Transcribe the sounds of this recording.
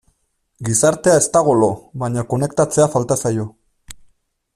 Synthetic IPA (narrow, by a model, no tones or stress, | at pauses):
ɡisaɾt̪e̞ae̞st̪aɣ̞o̞loβaɲako̞ne̞kt̪at͡se̞afalt̪asajo̞